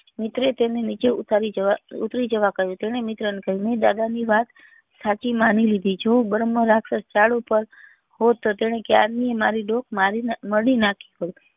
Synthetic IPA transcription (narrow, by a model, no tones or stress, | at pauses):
mɪt̪ɾet̪enenit͡ʃeut̪aɾid͡ʒəʋaṵt̪ɾid͡ʒəʋakəɦjũt̪eɽ̃emɪt̪ɾənekəɦjũmed̪a̰d̪aniʋat̪ | sat͡ʃimanilid̪ʱit͡ʃʰobəɾəmːəɾaksəst͡ʃaɭopəɾ | ɦot̪ːot̪eɽ̃ekjaɾniemaɾiɖokʰmaɾinməɽinakʰi̥ɦo